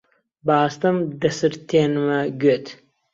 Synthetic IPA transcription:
baːst̪ɐmɖɐsɨɾt̪ʰeːnmɐɡʲøt̪ʰ

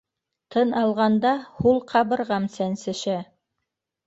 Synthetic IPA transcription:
t̪ʰɤnɑlˠʁɑnd̪ɑhulˠqʰɑβɤ̆ɾʁɑmsænsɘ̆ʃæ

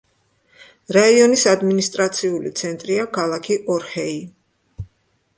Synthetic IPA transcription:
ɾaiɔnisad̪minist̪ʼɾat̪sʰiulit̪sʰɛnt̪ʼɾiakʰalˠakʰiʔɔɾhɛi

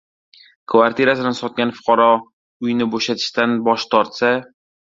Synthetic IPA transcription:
kʰvaɾt̪ʰieɾasɪlansɒt̪̚ɡʲanfʊ̥qʰɑɾɒ | ʊjnɪboʃat̪ʰɪ̥ʃt̪anbɒʃt̪ʰɒɾt̪sa

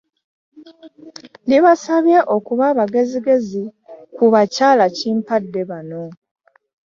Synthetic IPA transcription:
liβasaβjeʔo̞kuβaβaɡe̞ziɡe̞zikuβacaːlaciːmpadːe̞βano̞

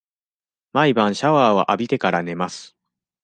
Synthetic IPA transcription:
maibãɰ̃ɕaβaːβ̞a̰ʔabʲit̪e̞kaɾane̞masɨ̥

